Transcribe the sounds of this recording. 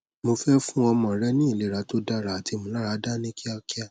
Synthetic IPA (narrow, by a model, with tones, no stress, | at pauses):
mo˧fɛ˦fũ˦ɔ˧mã˨˦ɾɛ˦nĩ˦i˦˨le˨˦ɾa˧to˦da˦ɾa˨a˨ti˧mõ˨˧la˦ɾa˧˦da˦nĩ˦ki˦a˧ki˦a˦˨